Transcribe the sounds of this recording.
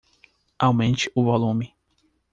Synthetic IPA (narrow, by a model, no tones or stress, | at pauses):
awmẽnt͡ʃiuvɔlˠumi